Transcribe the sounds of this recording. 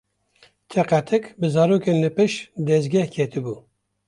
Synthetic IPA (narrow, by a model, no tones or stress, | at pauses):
t̪ʰɛqæt̪ʰɛkbɨzɑːɾoːkenlɨpɨʃd̪ɛzɡɛhkʰet̪ʰɨbu